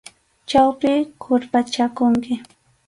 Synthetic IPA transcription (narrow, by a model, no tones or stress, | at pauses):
t͡ʃawpɪkʰʊɾpat͡ʃakʊŋkɪ